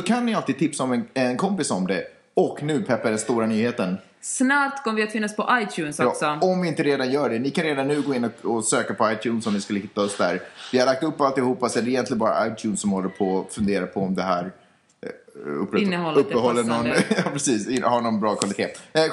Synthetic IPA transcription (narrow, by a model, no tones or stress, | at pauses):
sɔkʰanːɪalt̪ɪːd̪̚t̪ʰɪpsaɔmɛnɛnkʰɔmpɪsɔmd̪ɛ | ɔknʉ̟ːpʰɛpːaad̪ɛnst̪uːɾanyːheːt̪ən | snat̪kʰɔməvɪat̪fɪnːaɔspʰɔʔajt̪ʰjʉːnsɔjɑːsɔɔmvɪɪnt̪əɾeːd̪anjœːɖɛnɪkʰanɾeːd̪anːʉ̟ːɡoːɪnːɔkɔsøːkapʰɔajt̪ʰjʉːnsɔmnɪskɵlːəɦɪt̪ːaɔsd̪æ̰ːɾvɪhad̪lakt̪ɵpːalt̪ɪhuːpːasɔɛd̪ɛɪjɛnt̪lɪənbɑːɾa̰ʔajt̪ʰjʉ̟ːnsɔmhɔlːəɾpʰɔfɵnd̪eːɾapʰɔɔmd̪ɛɦæːɾ | ɵ̰pːɾɛəɔlɵpːəhɔlːənɔnjɑːpʰɾɛsiːsɪhaɳɔnbɾɑːkʰvalɪt̪ʰeː